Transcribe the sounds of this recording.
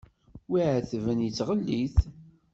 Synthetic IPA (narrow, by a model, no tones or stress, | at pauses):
wiʕəθvənjət͡sːʁəlːiθ